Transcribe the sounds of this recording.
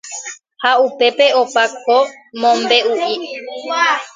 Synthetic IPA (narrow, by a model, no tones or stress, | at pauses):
haupe̞pe̞opako | mõmbe̞uʔi